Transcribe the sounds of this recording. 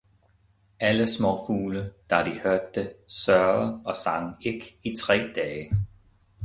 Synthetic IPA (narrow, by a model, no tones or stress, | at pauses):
æləsmɔfuːləd̥ɑ̈d̥ihøɐd̥ːesɶɐɐɒ̽sɑ̈ŋe̝ɡ̥it͡sʰʁɛ̰ːd̥ɛːə